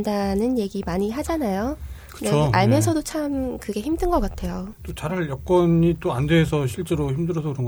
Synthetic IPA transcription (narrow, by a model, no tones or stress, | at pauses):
ndanɯnje̞ɡimaɲiɦad͡ʑanajo | kɯ̥deoaɭmjʌs̬ʰʌdot͡ɕʰamkɯɡe̞çimdɯnɡʌk͈atʰe̞jot͈ot͡ɕaɾaɭjʌk̚k͈wʌɲit͈oandeːsʰʌɕʰiɭt͡ɕ͈e̞ɾoçimdɯɾʌsʰʌkɯɾʌŋɡ